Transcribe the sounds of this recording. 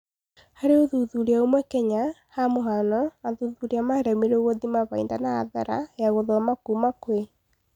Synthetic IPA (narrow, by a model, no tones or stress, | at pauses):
haɾeoðuðuɾeaomwɛkɛɲahamoɦanɔnaðuðuɾeamaɾɛmeɾeɣoðimaβaindanaːða̰ɾa̰jaɣoðɔmakuːmakwe